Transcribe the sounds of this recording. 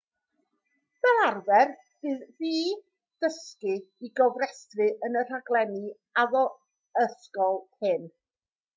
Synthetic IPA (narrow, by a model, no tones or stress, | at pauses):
ð̥ɛɾarvɛr | ɨðiː | d̥əskɨiɡɔvrɛstrɨʔənər̥aɡlˠɛnɨ | aðɔ | əskɔlˠʰɪn